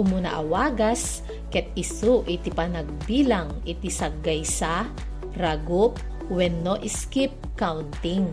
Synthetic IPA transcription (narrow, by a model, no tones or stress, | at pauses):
ʊmuna̰ʔɐwaːɡas | kɛt̪̚ɪsuʔit̪ipanɐɡ̚biːlaŋ | it̪isɐɡɐjsa | ɾaɡʊp̚ | wɛnːoʔɪskip̚kawnt̪iŋ